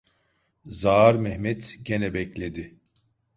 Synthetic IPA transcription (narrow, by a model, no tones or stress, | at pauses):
zaːɾmɛhmɛt̪ɟe̞nɛbɛclʲed̪ɪ